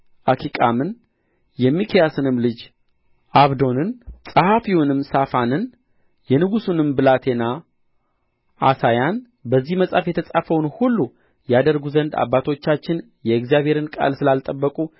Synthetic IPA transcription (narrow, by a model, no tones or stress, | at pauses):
ʔakʰikʼamɨn | jɛmikʰijasɨnɨmlɨd͡ʒ | ʔaβd̪o̞nɨnsʼəhafiwʊnɨmsafanɨn | jɛnɨɡusunɨmbɨlat̪ʰe̞na | ʔːsajan | bəzːihməsʼafjɛt̪ʰəsʼafəwnhulːu | jad̪əɾɡuzənd̪a̰bːat̪ʰo̞t͡ʃːat͡ʃːɪn | jɛɪkzijaβʱhe̞ɾɨnkʼa̰lsɨlalt̪ʼəbːəkʼu